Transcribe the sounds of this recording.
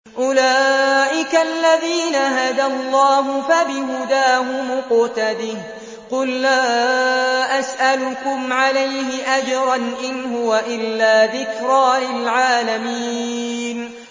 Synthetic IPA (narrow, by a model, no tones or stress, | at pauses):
ʔʊlaːʔɪkaalːaðiːnaɦad̪alˤːɑːɦʊfabɪɦʊd̪aːɦʊmʊqʊt̪ad̪ɪh | qʊlːaː | ʔasʔalʊkʊmʕalajɦɪʔad͡ʒɾˤɑnʔɪnɦʊwaʔɪlːaːðɪkɾɑːlɪlʕaːlamiː | n